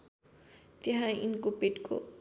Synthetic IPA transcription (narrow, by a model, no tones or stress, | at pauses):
t̪eɦãinkopeʈko̰